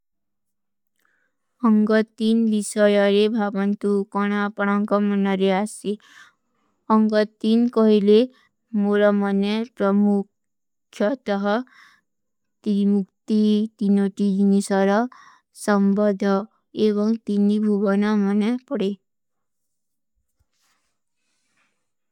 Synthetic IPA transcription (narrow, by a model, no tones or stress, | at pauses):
ʌŋɡɔt̪inbisʌjʌɾebʱabɔnt̪ukɔɽ̃apɔɽ̃ʌŋkɔmʌnʌɾeasi | ʌŋɡʌt̪inkɔɦile | moɾɔmʌnepɾɔmu | kʰjʌt̪ʌɦʌ | t̪imukt̪it̪inoʈid͡ʒnisʌɾʌ | sʌmbɔd̪ʱɔ | eβʌŋt̪inːibʱubɔnamʌnepɔɽe